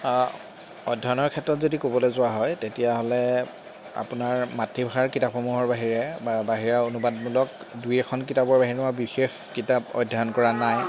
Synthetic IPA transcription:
ɔdʱːaɔnɔɹkʰɛtɹɔtzodikobɔlɛzʊwaɦɔjtetijaɦɔlɛ | a̰punaɹmatʰːibaaɹkitapxɔmuɦɔɹbaɦiɹɛbabaɦiɹaonubad̚mulɔk̚ | dujɛkʰɔnkitabɔɹbaɦiɹnabixex | kitapɔ̰dʱːaɔnkɔɹanaj

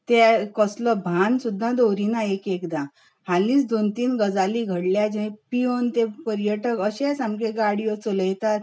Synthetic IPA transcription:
t̪ekəslɔbʱansud̪ʱːãd̪owɾinaekekd̪a | halĩːt͡sd̪ont̪iːnɡəd͡zaliɡʱəɽljad͡ʑẽpiont̪epəɾjəʈəkəɕɛsamkeɡaɽijɔt͡soləjt̪at̪

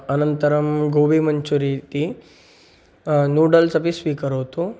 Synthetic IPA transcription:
ɐnɐnt̪ɐɾɐmɡobimɐɲt͡ʃuɾit̪i | nuːɖɐlsɐpisʋiːkɐɾoːt̪u

